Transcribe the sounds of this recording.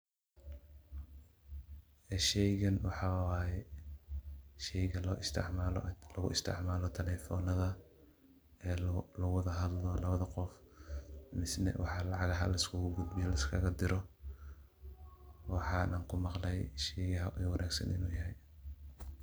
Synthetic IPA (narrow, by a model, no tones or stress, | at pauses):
ɛʃɛjɣɐnwɑħɑwaːjɛ | ʃɛjɣɐlʰʕl̰lɐɣʊ̰ɪst̪ʰɪ̰ʕmaːlɔt̪ʰɐlɛfɔnɐðɐ | ɛlɐɣʊwɑðɐɦɐd̪lɔlɐβɐðɐqɔf | mɪsnɛ̰wɑ̰ħɑlɑʕɑɣɐɦɐlɐɪskʰʊɡʊd̪bɪjɔlɐɪskʰɐɣɐd̪ɪɾɔ | wɑħɑːnaːŋkʰʊmɑqlɛjʃɛjɣɐɦɐʔɛjwɑnʔaːɡsɐ̰nʔɪ̰nuːjɐɦɛj